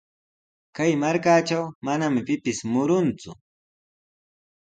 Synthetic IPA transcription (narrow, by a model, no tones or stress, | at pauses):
kajmaɾkaːt͡ʃawmanamɪpɪpɪsmʊɾʊnt͡sʊ